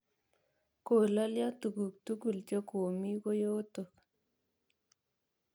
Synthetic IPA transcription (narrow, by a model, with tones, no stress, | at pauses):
ko˨la˦lja˦tu˨ku˨k̚tu˦ku˨lt͡ʃɔ˦ko˨mi˦ko˦jo˦t̪o˨k